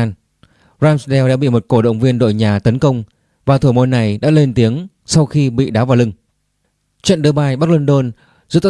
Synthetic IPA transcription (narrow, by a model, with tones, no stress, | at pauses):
n | zaː˧msɗɛ˧wɗa̰ː˧˥ɓḭ˧˨mo˨˩t̚ko˧˩ɗə̰˧˨wŋ͡mvi˧ənɗo̰˧˨jɲaː˨˩t̪ə˨˦nkə˧wŋ͡m | vaː˨˩t̪ʰu˧˩mo˧˩nːa˨˩jɗa̰ː˧˥le˧nt̪i˨˦əŋ | sa˧wxi˧ɓḭ˧˨ɗaː˨˦wvaː˨˩lɨ˧ŋ | t͡ɕə̰˧˨nɗɨ˨˧˦ɓaː˧˩jɓa˦˥k̚lwə˧nɗo˧n | zɨ̰˧˥t̪